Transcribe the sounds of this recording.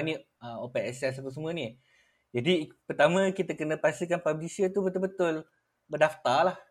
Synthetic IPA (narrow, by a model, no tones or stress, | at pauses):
niʔ̚ | əmopɛʔɛsɛs̬apəs̬əmũəni | d͡ʒadipərt̪amãkit̪akənə̃past̪ilkanpablisiət̪ubət̪ʊlbət̪ʊl | bədaft̪alah